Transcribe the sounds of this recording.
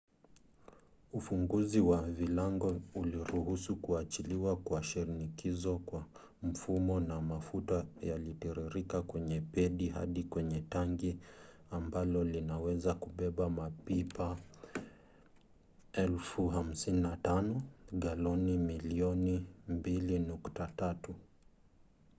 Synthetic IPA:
ufuŋɡuziwavilaŋɡɔuliɾuhusukuat͡ʃiliwakuaʃiɾinikizɔkwa | m̩fumɔnamafutaja̰litɛɾiɾikakwɛɲɛpɛɗiɦa̰ɗikwɛɲɛtaŋɡi | ambalɔlinawɛzakuɓɛɓamapipa | ɛlfuɦam̩sininatanɔɠalɔnimiliɔnimbilinuktatatu

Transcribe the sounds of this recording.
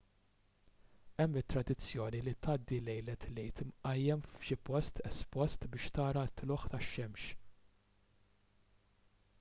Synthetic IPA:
ɛmːɪt̪ːɾɐd̪ɪt͡sːjɔːnilit̪ɐːd̪ːilɛjlɛt̪lɛjt̪mʔɐjːɛmfʃɪpɔst̪ʰɛspɔst̪bɪːʃt̪ɐːɾɐt̪ːlɔħt̪ɐʃːɛmʃ

